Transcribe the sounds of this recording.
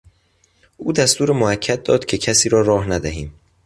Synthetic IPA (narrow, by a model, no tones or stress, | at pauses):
ʔuːd̪æst̪uːɾemoæcʰːæd̪̚d̪ːɒːd̪̥cʰe̞cʰæsiːɾɒːɾɒːhnæd̪æɦiːm